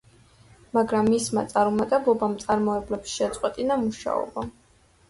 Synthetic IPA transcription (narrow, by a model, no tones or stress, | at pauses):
maɡɾamːisma̰t̪sʼaɾumat̪ʼɛblˠɔbamt̪sʼaɾmɔɛblɛpsʃɛt̪sʼqʼwɛt̪ʼinamuʃa̰ɔ̰ba